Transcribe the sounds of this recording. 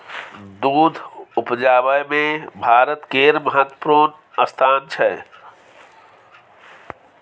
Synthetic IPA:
d̪ud̪ʱupd͡ʒabəjmebʱaɾət̪keɾməɦat̪ə̥pɾun | əst̪ʰant͡ʃʰɛ

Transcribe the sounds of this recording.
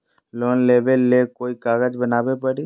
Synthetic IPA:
loːnleːbelːekoːikaːɡəd͡ʒbənaːbepəɽi

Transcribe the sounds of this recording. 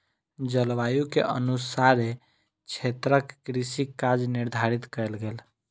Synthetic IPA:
d͡ʒəlʋajukḛʔə̰nusaɾe | t͡ʃʰet̪ɾəkːɾisikːad͡ʒniɾd̪ʱaɾit̪kəjlɡel

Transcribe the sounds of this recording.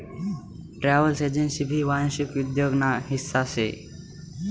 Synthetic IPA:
ʈɾaːʋəlsed͡ʒẽnsibʱiːʋaːnʃʊkjud̪joːɡnaːɦɪsːasḛ

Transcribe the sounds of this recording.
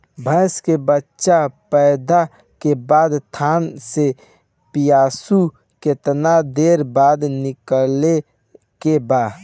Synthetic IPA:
bʱəɪskebətːʃapɛɪd̪a | kebaːd̪t̪ʰaːnse | pijaːsu | ket̪nad̪eːɾbaːd̪nɪkle | kebaː

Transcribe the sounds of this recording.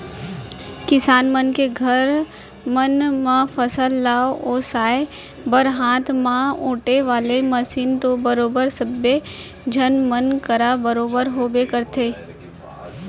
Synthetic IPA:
kɪsaːnmənkeɡʱəɾ | mənmãfʰəsəlːaːooːsaːe | bəɾɦãːt̪ʰmãõːʈeʋaːleməsiːnt̪obəɾoːbəɾsəbje | d͡ʒʱənmənkəɾabəɾoːbəɾɦoːbekəɾt̪ʰeː

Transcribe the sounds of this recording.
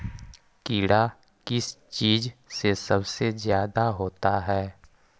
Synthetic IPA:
kiːɽa | kɪst͡ʃiːd͡ʒsesɐbsezjaːd̪aɦoːt̪aɦɛː

